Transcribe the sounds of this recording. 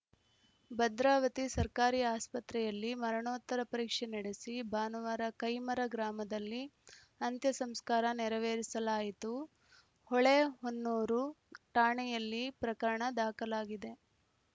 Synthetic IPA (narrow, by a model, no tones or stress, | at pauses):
bɐd̪ɾaːʋɐt̪isɐɾkaːɾiːaːspɐt̪ɾɛjɐlːimɐɾɐɳoːt̪ːɐɾɐpɐɾiːkʂɛnɐɽesibaːnɐʋaːɾɐkɐjmɐɾɐɡɾaːmɐd̪ɐlːi | ɐnt̪jɐsɐmskaːɾɐnɛɾɐʋeːɾisɐlaːjit̪u | hɔɭeɦonːuːɾuʈaːɳɛjɐlːipɾɐkɐɾɐɳɐd̪aːkɐlaːɡid̪e̞